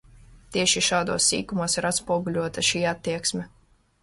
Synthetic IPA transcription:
t̪iɛʃiʃɑːd̪uɔsːḭːkumuɔsiɾat̪spuɔɡulʲuɔt̪ɐʃiːat̪ːiɛksmʲɛ

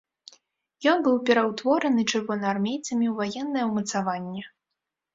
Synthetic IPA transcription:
jɔnbɨwpʲɛɾɐwt̪vɔɾɐnɨt͡ʂɨrvɔnɐarmʲejt̪sɐmʲiwvajɛnːɐjɛwmɐt̪savanʲːɛ

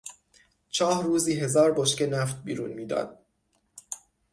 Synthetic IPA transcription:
t͡ʃʰɒːhɾuːziːɦe̞zɒːɾboʃce̞næft̪̚bḭːɾṵːnmiːd̪ɒ̰ːd̪̥̚

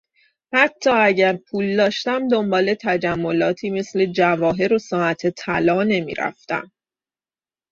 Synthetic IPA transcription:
hæt̪ʰːɒːæɟæɾpʰuːld̪ɒːʃt̪æmd̪o̞mbɒːle̞t̪ʰæd͡ʒæmːo̞lɒːt̪ʰiːme̞sle̞d͡ʒævɒːɦe̞ɾosɒːæt̪ʰet̪ʰælɒːne̞mḭːɾæ̰ft̪æ̰m

